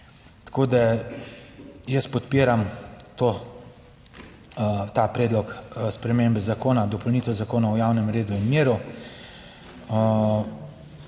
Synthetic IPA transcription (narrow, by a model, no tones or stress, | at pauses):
t̪koːd̪a | jəspɔt̪piːɾamt̪oː | t̪apɾɛːd̪lɔkspɾɛmeːmbɛzakoːnad̪ɔpɔwnit̪ɛzakoːnawjaːwnɛmɾeːd̪uinmeːɾu